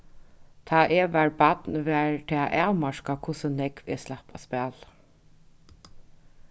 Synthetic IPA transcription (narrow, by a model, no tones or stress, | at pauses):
t̪ʰaːʔɛʋæɹbat̪nʋæːɹt̪ʰɛːaʔaːwmaʂkakʰʊsənɛkvɛ̰slahpaspæːl